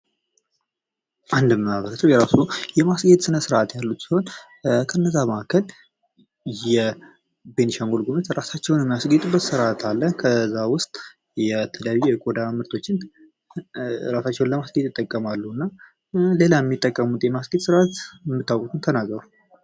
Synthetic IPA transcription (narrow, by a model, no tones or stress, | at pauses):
ʔand̪əmːəaβəɾəsəwjɛɾasujɛmasɡe̞t̪ʼsɨnəsɨɾʔat̪jalːut̪siho̞n | kʰənːəzːaməʔakʰəl | jɛ | be̞nʃaŋɡolɡumət̪ɾasat͡ʃːɛwnjɛmːijasɡet̪ʼubət̪sɨɾʔat̪ʰalːəkʰəzːawʊst̪ʼ | jɛt̪ʰɨljaβijɛɡʼod̪amɨɾt̪ʰo̞t͡ʃːɪn | ɾasat͡ʃːɛwnləmasɡet̪ʼɪt̪ʼːəkʼːəmalːuɨnːa | le̞lajɛmːit̪ʼːəkʼːəmut̪ʼjɛmasɡet̪sɨɾʔat̪ɛmːɨt̪ʰːawkʼut̪ɨnt̪ʰənaɡɾəɾu